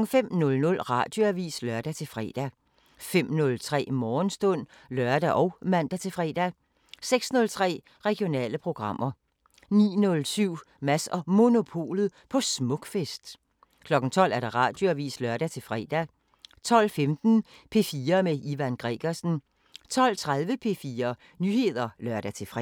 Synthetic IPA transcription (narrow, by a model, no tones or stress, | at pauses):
ŋ̩fem̰nɔ̽lnɔ̽lʁɑ̈d̥jo̝æʋḭːslɶɐd̥æt͡sʰe̝lfʁɛ̰ːd̥æ | fem̰nɔ̽lt͡sʰʁɛ̰ːmɒːnsd̥ɔ̽n̰lɶɐd̥æʔɒʊmæn̰d̥æt͡sʰe̝fʁɛ̰ːd̥æ | seɡ̥snɔ̽lt͡sʰʁɛ̰ː | ʁɛɡ̥ijo̝nɛ̰ːləpʰʁo̝ɡ̥ʁɑ̈m̰ɐ | nḭːnɔ̽lsyʊ̰ | mæsɒ̽mo̝no̝pʰo̝̰ːlð̩ˠpʰɒ̽smɔ̽ɡ̥fesd̥ | kʰlɒ̽ɡ̥n̩t͡sʰɒ̽l̰ʔæɐd̥ɑ̈ʁɑ̰̈ːd̥joæʋḭːslœɐɾ̥æt͡sʰe̝lfʁɛ̰ːd̥æ | t͡sʰɒ̽l̰femd̥n̩ | pʰe̝fiːɐmeiʋænɡ̥ʁɛɡ̥ɐsn̩ | t͡sʰɒ̽l̰t͡sʰʁaðˠʋəpʰe̝fiːɐ | nyːhe̝ð̞ˠɐlɶɐd̥æt͡sʰe̝fʁɛ